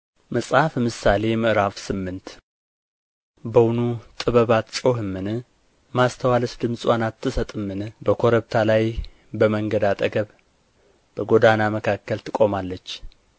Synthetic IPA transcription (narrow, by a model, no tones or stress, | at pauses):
məsʼhafmɨsale̞jmɨʔɾafsɨmːɨnt̪ | bəwnut̪ʼɨβəβat̪t͡ʃʼo̞hɨmːɨnɨ | mast̪ʰəwaləsd̪ɨmsʼwanat̪ʰːɨsət̪ʼɨmːɨnbəkʰo̞ɾəβt̪ʰalaj | bəməŋɡəd̪at̪ʼəɡəβ | b̥əɡo̞d̪anaməkʰakːəlt̪ʰɨkʼo̞malːət͡ʃː